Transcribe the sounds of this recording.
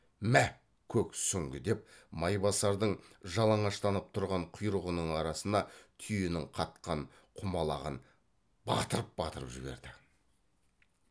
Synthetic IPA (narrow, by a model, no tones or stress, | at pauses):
mæ | kʲʰɵksʏŋɡʲɪd̪e̞p̚mɑjbɑsɑɾd̪əɴʒɑlˠɑɴɑʃt̪ɑnəp̚t̪ʰʊɾʁɑɴqʰʊjɾəʁənəɴɑɾɑsənɑt̪ʰʏjɪnɪŋqʰɑt̪̚qɑɴ | qʰʊmɑlˠɑ̰ʁə̰n | bɑ̰t̪əɾəp̚bɑt̪əɾəpʒɪbe̞̰ɾd̪ɪ